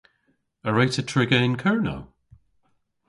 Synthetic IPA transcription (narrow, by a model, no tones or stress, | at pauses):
əɹajtʰətʰɹ̥ɪɡəɪnkʰɜɹno̰w